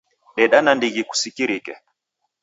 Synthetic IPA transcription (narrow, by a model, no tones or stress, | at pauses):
ɗɛɗanandiɣiku̥sikiɾikɛ